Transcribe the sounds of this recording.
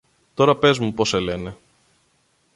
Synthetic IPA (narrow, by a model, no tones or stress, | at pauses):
t̪o̞ɾɐpe̞zmupo̞se̞le̞ne̞